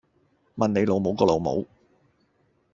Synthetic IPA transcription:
mɐ˨ne˨˧jlo˨˧wmo˨˧wkɔː˧lo˨˧wmo̰˨˥w

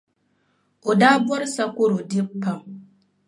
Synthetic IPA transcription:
o˨daː˦bɔ˦ɾɪ˦sa˦ko˦ɾo˨dɪ˦pːa˦m

